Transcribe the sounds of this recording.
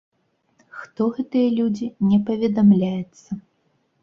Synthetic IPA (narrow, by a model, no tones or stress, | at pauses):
xt̪ɔɣɛt̪ɨjɐlʲud͡zʲinʲɛpɐvʲɛd̪amlʲajɛt̪sːɐ